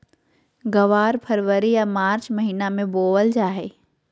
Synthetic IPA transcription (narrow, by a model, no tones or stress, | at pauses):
ɡɐʋaːɾpʰəɾʋəɾijamaːɾt͡ʃmɐɦiːnamẽboːʋəld͡ʒaːɦe